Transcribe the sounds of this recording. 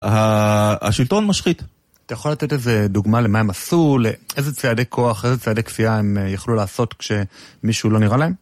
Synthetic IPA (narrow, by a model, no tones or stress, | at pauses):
haa̰ʃilt̪onmaʃχit̪ | at̪ajaχolate̞teze̞d̪uɡmale̞mae̞masulee̞jze̞t͡seadekʰo̞aχezet͡seadekfiae̞mjaχlulaːso̞tkʃe̞miʃulo̞niʁalae̞m